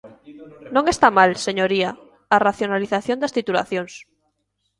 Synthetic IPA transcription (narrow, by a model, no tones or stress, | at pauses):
nõŋest̪amalseɲoɾia | araθjonaliθaθjond̪ast̪it̪ula̰θjons